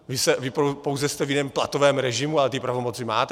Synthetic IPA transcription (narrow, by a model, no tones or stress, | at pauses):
vɪsɛvɪpopowzɛst̪ɛvjɪnɛːmplat̪o̞vɛːmɾɛʒɪmualɛt̪ipɾavo̞mot͡sɪma̰ːt̪ɛ